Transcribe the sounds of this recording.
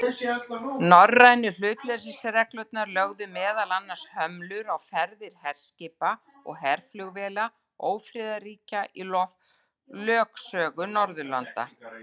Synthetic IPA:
nɔrːajnʏl̥ʏːt̪lɛɾs̬isaɾɛklœt̪̚naɾlœɣðʏmɛːðalanːaɾ̥shœmlʏɾawfɛɾðɪɾ̥hɛr̥scɪːpa | ɔ̰ɣɦɛɾ̥flʏɣvɛːla | oːwfɾɪːðariːcaʔilɔv | lœːksœːɣʏnɔɾðʏla̰nt̪a̰

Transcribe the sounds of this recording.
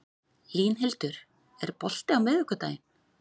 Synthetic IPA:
liːnɦɪlt̪ʏɾ̥ | ɛɾpɔl̥t̪ɪawmɪðɛhkʏt̪aːjɪm

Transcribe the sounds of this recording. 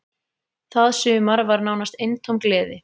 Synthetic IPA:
θaðsʏːmaɾvaɾnaːwnast̪ejnt̪ʰowmklɛːðɪ

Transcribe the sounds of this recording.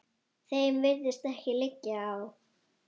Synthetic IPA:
θejmvɪɾðɪst̪ɛhcɪlɪcːaːw

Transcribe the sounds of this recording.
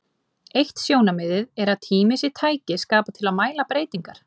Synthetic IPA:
ejht̪sjoːwnamɪðɪðɛɾaðt̪ʰiːmɪsɪt̪ʰaːjcɪskaːpat̪ʰɪlaðmaːjlapɾeːjt̪iŋkaɾ̥

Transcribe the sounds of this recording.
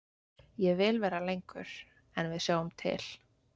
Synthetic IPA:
jɛɣvɪlvɛːɾalejŋkʏ̰ɾ̥ | ɛnvɪðsjaːwʏmt̪ʰɪ̰l̥

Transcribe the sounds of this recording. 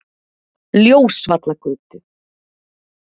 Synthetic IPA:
ljoːwsvat̪lakʰʏːt̪ɪ̥

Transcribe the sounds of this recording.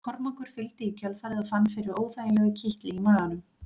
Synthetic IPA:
kʰɔɾmaŋkʏɾ̥fɪlt̪ɪicʰœlfaːɾɪðafanːfɪɾɪɾoːwθajlɛɣʏcʰiht̪lɪimaːlanʏm

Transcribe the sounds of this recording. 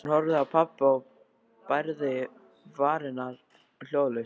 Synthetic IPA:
nhɔɾvðawpʰapːaɔ | pajɾðɪ | vaːɾɪnaɾ̥ | l̥joːwle

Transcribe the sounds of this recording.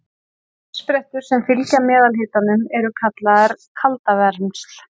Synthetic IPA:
spɾɛht̪ʏɾ̥sɛmfɪlcamɛːðalhɪːt̪anʏmɛɾʏkʰat̪laaɾ̥kʰalt̪avɛɾmsl̥

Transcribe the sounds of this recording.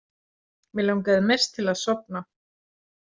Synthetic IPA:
mɪlaunk̬ɛːðmejrst̪ʰːɪlaðsɔp̚na

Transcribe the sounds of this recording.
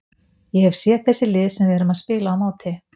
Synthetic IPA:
jɛhɛv̥sjɛt̪̚θɛsːɪlɪːðsɛmvɛɾʏmaðspɪːlaawmaːwt̪ʰɪ

